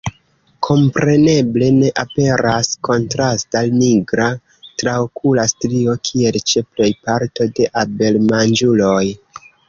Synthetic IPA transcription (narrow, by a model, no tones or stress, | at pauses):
kʰo̞mpɾe̞ne̞ble̞ne̞ʔape̞ɾasko̞ntɾastaniɡɾa | tɾaokʰulastɾio̞kʰie̞lt͡ʃe̞ple̞jpaɾto̞de̞ʔabe̞lmand͡ʒulo̞j